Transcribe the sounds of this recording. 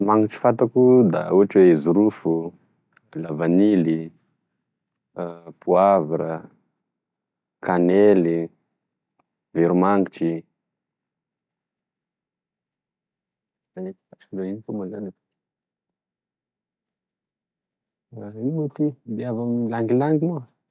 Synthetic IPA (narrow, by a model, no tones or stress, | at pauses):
maŋit͡ʃi̥fant̪akud̪a̰uɦaʈ͡ʂwezuɾufu | lavanili | puaviɾə | kaneli | viɾumaŋɡit͡ʃi | aet̪faʈ͡ʂiɖ͡ʐaiikomazanapa | imot̪id̪eavamlaŋɡilaŋɡimo